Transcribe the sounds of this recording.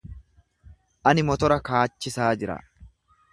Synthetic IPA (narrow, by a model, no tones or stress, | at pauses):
ʔɐnɪmɔt̪ɔɾɐkaːt͡ʃːɪsaːd͡ʒɪɾɐ̰